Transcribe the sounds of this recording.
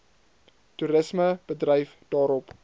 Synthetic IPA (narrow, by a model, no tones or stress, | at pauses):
tuɾəsməb̥ədrəjf | d̥ɑːɾɔp